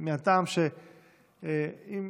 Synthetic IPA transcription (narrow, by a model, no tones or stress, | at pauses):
meat̪amʃe | im